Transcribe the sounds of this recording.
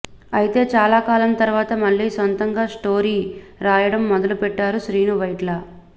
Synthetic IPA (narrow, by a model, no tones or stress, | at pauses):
ɐjit̪e̞ːt͡ʃaːlaːkaːlɐnt̪ɐɾuʋaːt̪ɐmɐɭːiːsɐnt̪ɐŋɡaːʂʈoːɾiːɾaːjɐɽɐmːɔd̪ɐlupɛʈːaːɾuʃɾiːnuʋɐjʈlɐ